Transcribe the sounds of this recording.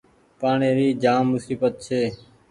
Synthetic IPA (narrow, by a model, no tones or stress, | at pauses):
paːɳeːɾiːd͡ʒaːmːʊsiːbət̪̚t͡ʃʰeː